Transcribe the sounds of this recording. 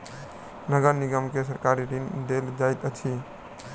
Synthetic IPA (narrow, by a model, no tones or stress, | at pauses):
nəɡəɾniɡəmkes̬əɾkaɾiʈind̪eld͡ʒajt̪ət͡ʃʰi